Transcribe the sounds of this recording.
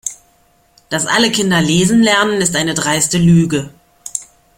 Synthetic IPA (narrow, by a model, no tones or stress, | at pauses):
d̥asʔa̰ləkʰɪndɐleːzn̩lɛɐnənɪstʔaɪnədʁaɪstəlyːɡə